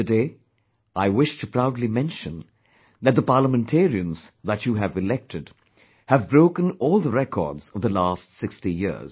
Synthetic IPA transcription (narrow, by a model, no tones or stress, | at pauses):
tɨdeː | aɪwɪʃtʰɨpʰɾ̥aʊdlimɛ̃nʃə̃n | ðɨt̪̚d̪əpaːləmɨ̃ntʰɛɹiɨ̃nz̥ðæt͡ʃuɦɨvɨlɛk̚tʰɨd | hɨvbɹoʊkə̃nɔːlˠðəɹɛkʰɔ̰ɹdz̥ʌvðəlæstsɪkstijɪ̰ɹz̥